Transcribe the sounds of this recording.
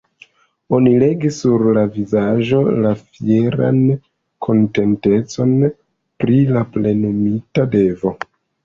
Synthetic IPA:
o̞nile̞ɡisuɾlavizaʒo̞lafjeɾa̰n | kʰo̞nte̞nte̞t͡so̞n | pɾilaple̞nomitade̞vo̞

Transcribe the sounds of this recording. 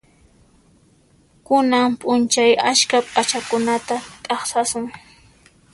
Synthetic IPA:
kʊnampʼʊnt͡ʃajaskapʼat͡ʃakʊnat̪at̪ʼɑχsasʊŋ

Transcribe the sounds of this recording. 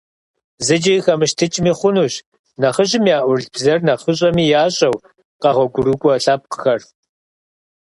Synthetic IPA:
zɨd͡ʒɪxɐmɨʃtʰɨt͡ʃʼmiːχʷʊnuːɕ | nɐχəʑɪmijaːʔʷʊrɮb̥zɐrnɐχəɕ̬ʼɐmiːjaːɕʼɐw | qɑʁʷɔɡʷʊɾukʷʼɔɬaːp̚qə̥xɐr

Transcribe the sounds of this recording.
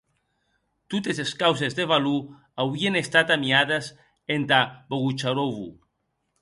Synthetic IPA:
t̪ut̪eseskawsezðeβalu | awienest̪at̪amiaðes | ent̪aboɣut͡ʃaɾoβṵ

